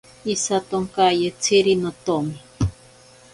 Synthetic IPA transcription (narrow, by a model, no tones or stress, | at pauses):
isat̪oŋkajet͡sʰiɾinot̪omi